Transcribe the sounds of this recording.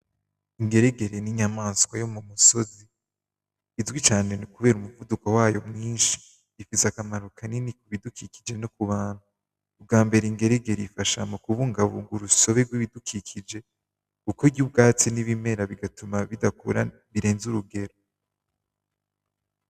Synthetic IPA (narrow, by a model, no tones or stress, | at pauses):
iŋɡe̞ɾe̞ɡe̞ɾeniɲamaːnskwajo̞mumuso̞ziː | zɡwit͡ʃaːne̞nukuβe̞ːɾumuvudukowaːjo̞mŋiːnʃi̥ː | fisakamaɾukʰaninikuβidukʰiki̥d͡ʒe̞nokuβaːn̥huː | b̚ɡaːmbe̞ɾeiŋɡe̞ɾe̞ɡe̞ɾifaʃamukuβuːŋɡaβoŋɡuɾuso̞βe̞ɾɡwiβidukʰikʰid͡ʒe̞ | kukoɾɟub̚ɡaːt͡siniβime̞ɾaβiɡatumaβidakuɾa | βiɾe̞ːnzuɾuɡe̞ɾo